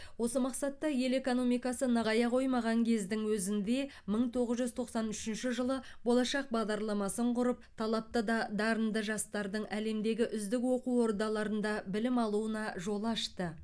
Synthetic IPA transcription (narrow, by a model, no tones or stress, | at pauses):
wo̞səmɑqsɑt̪ːɑje̞le̞ko̞no̞mijkɑsənɑʁɑjɑqʰo̞jmɑʁɑŋkʲʰe̞zd̪ɪŋwɵzɪnd̪e̞ | məɴt̪ʰo̞ʁəzʒʏzt̪ʰo̞qsɑnʏʃɪnʃɪʒəlˠəbo̞lˠɑʃɑq̚bɑʁd̪ɑɾlˠɑmɑsəɴqʰʊɾəp̚t̪ʰɑlˠɑp̚t̪əd̪ɑd̪ɑɾənd̪əʒɑst̪ɑɾd̪əɴʔæle̞md̪e̞ɡʲɪʔʏzd̪ɪkwo̞quwo̞ɾd̪ɑlˠɑɾənd̪ɑbɪlɪmɑlˠuənɑʒo̞lˠɑʃt̪ə